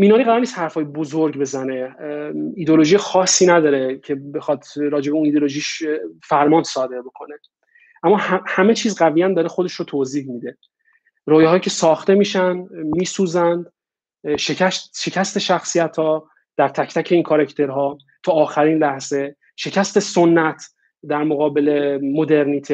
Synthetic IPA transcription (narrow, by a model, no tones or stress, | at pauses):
miːnɒːɾiːɣæɾɔːɾnist̪hæɾfɒːjebozoɾɡbe̞zæne̞ | id̪eoloʒijexɒːsːiːnæd̪ɒːɾe̞cʰe̞be̞xɒːd̪ɾɒːd͡ʒebeunid̪oloʒiʃfæɾmɒːnsɒːd̪e̞ɾbo̞kʰo̞ne̞ | ʔæmːɒːhæme̞t͡ʃʰiːzɢævijænd̪ɒːɾexod̪e̞ʃɾot̪ʰoːziːhmid̪e̞ | ɾɒːjeɦɒːjicʰe̞sɒːxt̪e̞miːʃænmiːsuːzænd̪ | ʃecæsʃe̞cʰæst̪e̞ʃæxsijæt̪ʰɒː | d̪̥æɾt̪ʰæcʰt̪æcʰe̞iːnkʰoɾacʰt̪ʰe̞ɾɦɒː | t̪ʰɒːxæɾiːnlæhz̥e̞ | ʃe̞cʰæst̪e̞so̞nːæt̪ʰ | d̪æɾmoɣɒːbe̞le̞mo̞d̪e̞ɾniːt̪ʰe